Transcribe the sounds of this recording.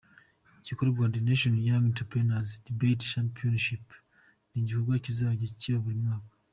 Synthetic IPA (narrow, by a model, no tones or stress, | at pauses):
cikoɾuɡwandineʃonjamentapɾenazdibett͡ʃampionʃip | niːɲɟikoɾɡwaːcizaβaɟeciβaβuɾimwaːkḁ